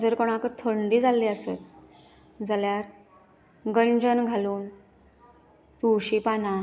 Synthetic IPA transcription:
d͡zəɾkɔɽ̃akt̪ʰəɳɖiːd͡zalːiːəset̪̚ | d͡zaljaɾ | ɡəɲd͡ʑənɡʱaluːn | t̪uwɕipana

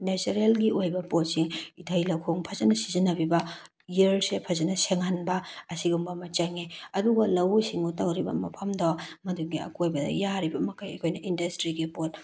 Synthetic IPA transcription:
nesɐɾelɡiʔojbɐpotsiŋitʰɐjlɐwkʰoŋpʰɐzɐnɐsizinɐbibɐ | jieɾsepʰɐzɐnɐseŋanbɐːsiɡumbɐmɐt͡ʃɐŋiɐduɡɐlɐwsiŋutɐwɾibɐ̰mɐ̰pʰɐmdamɐduɡiɐ̰kojbɐdɐ̰jaɾibɐmɐkʰɐjɐ̰kʰojnɐʔindɐstɾiɡipot̚

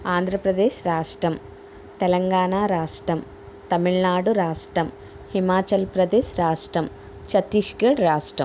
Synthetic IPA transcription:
aːnd̪ʱɾɐpɾɐd̪eːʃɾaːʂʈɾɐm | t̪ɛlɐŋɡaːɳaːɾaːʂʈɾɐm | t̪ɐmiɭnaːɽuɾaːʂʈɾɐm | himaːt͡ʃɐlpɾɐd̪eːʃɾaːʂʈɾɐm | t͡ʃɐt̪iʂɡɐɽɾaːʂʈɾɐm

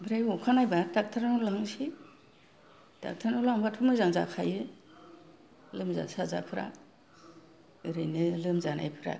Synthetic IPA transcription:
bɾajɔkʰanajbadak̚tʰaɾanulaŋsi | d̥a̰k̚tʰaɾnulaŋbatʰumɯzaŋza̰kʰajɯ | lɯmza̰saza̰pʰɯɾa̰ | ɯɾɯjnɯlɯmzana̰jpʰɯɾa̰

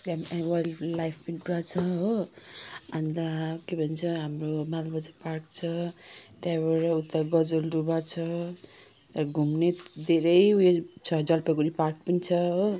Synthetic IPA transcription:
lamawajllajpʰpidubat͡sʰʌɦo | and̪akebʱʌnt͡sʰʌɦamromalbʌd͡zaparkt͡sʰʌt̪jabaɾaut̪ːaɡʌd͡zoldubat͡sʰʌ | t̪ʌɾɡʱumned̪eɾʌjet͡sʰʌd͡zʌlpʌɡuɾipark̚pʌnit͡sʰʌɦo

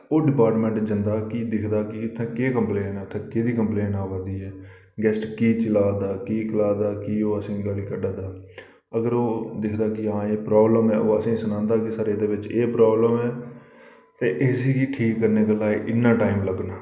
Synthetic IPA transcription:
oːɖɪpaːɾʈmɛ̃ɳʈd͡ʒənd̪aːkid̪ɪkʰd̪aːkɪʊt̪ʰːẽːkeːkəmpleːnɛːt̪ʰẽːkeːd̪iːkəmpleːnaːʋaːd̪iːɛː | ɡɛːsʈkiːt͡ʃɪlaːd̪aːkiːkəlaːd̪aːkiːoːəsĩːɡaːliːkəɖaːd̪aː | əɡəɾoːd̪ɪkʰd̪aːkɪãːeːpɾaːbləmɛːʔoːəsĩːsənãːnd̪aːkɪsəɾeːd̪eːʋɪt͡ʃeːpɾaːbləmɛː | t̪eːʔɪsiːkiʈʰiːkːəɾneːkəlaːiʔɪnːaːʈaːimləɡnaː

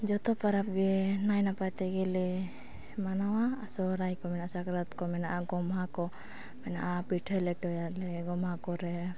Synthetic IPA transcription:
d͡ʒɔt̪ɔpaɾap̚ɡɛnajnapajt̪ɛɡɛli | manawaːsɔɾajkɔmɛnaʔasakɾɔt̪kɔmɛnaʔaɡɔmɦakɔ | mɛnaʔapiʈʰalɛʈɔjalɛɡɔmɦakɔɾɛ

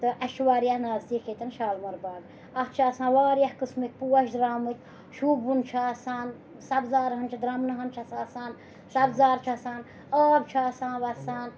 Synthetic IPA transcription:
t̪ɨʔɐʃwaːɾjahnaːzt̪it͡ʃʰet̪ɐnʃaːlmɐɾbaːɡ | ɐht͡ʃʰaːsãːnʋaːɾjahkɨsmɨk̚ʲpuːɐʃd̪ɾaːmɨt̪ʲ | ʃuːbbunt͡ʃʰaːsaːn | sɐbzaːɾɦɐnt͡ʃʰɐd̪ɾamnɐɦɐnt͡ʃʰɐsaːsaːn | sɐbzaːɾt͡ʃʰasaːn | aːbt͡ʃʰaːsãːnʋɐsaːn

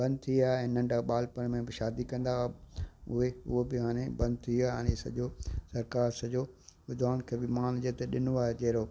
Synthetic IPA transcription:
bɐ̃nd̪̚t̪ʰiiaːɦeɛ̃ːnɐ̃ɳɖaɓaːlpəɽ̃mẽbɪʃaːd̪ikɐ̃nd̪a | ʊɦeʊ̰ɦobɪɦaːɽ̃ẽbɐ̃nd̪̚t̪ʰiiaːɦañesɐ̰ʄosɐɾkaːɾsɐʄoʋʊd̪ʱaːʊñkʰeːbɪmaːnd͡ʑet̪eɗɪnoaːɦed͡ʑɐɦɾoː

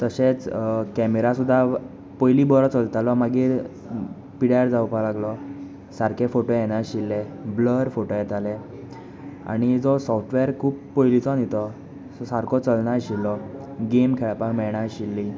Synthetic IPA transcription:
t̪əɕet͡skɛmeɾasud̪ʱːa | pojlibɔɾɔt͡səlt̪alɔmaɡiːɾ | piɽjaɾd͡zaupalaɡlɔ | saɾkefoʈojɛnaɕilːebləɾfoʈojɛt̪ale | a̰ɽ̃id͡zɔsɔfʈʰʋeɾkʰuːppojlit͡sɔnit̪ɔ | sɔsaɾkʰɔt͡səlnaɾɕilːɔɡemkʰɛɭpamɛɭɳaɕilːi

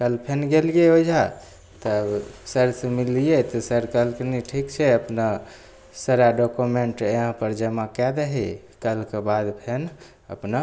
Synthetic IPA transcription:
kəlpʰenɡelɡeod͡ʒʱa | t̪əbsəɾsmilijet̪ɔsəɾkəlkniʈʰikt͡ʃʰɛəpna | səɾaɖokumeɳʈeɦə̃pəɾd͡ʒəmakɛd̪əɦi | kəlkbad̪pʰen | ə̰pna

